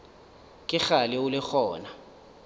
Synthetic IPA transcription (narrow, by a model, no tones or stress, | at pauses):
kʼɪχalɪʊlɪxɔːna